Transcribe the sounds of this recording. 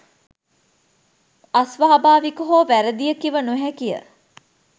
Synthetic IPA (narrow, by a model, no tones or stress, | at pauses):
ɐsʋaːabaːʋikoɦoːʋæɾəd̪ijəkiʋənuɦækijə̰